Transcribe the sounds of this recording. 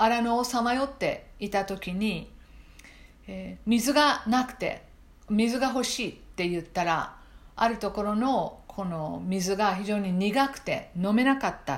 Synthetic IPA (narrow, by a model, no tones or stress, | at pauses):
aɾanoːsamajo̞t̪ːe̞̰it̪at̪o̞kʲiɲ̟i | mʲizɨɡanakɯ̟̥t̪e̞̰ | mʲizɨɡaɦo̞ɕiːt̪ːe̞jɯ̟t̪ːaɾa̰a̰ɾɯ̟t̪o̞ko̞ɾo̞no̞kʰo̞no̞mʲizɨɡaçiʑo̞ːɲ̟iɲʲiɡakɯ̟̥t̪e̞̰no̞me̞nakat̪ːa